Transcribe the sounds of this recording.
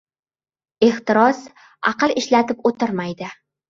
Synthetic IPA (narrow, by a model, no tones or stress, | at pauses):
eht̪ɪɾɒs | a̰qɨlɪʃlat̪ɪpot̪ɪɾmajd̪ɪ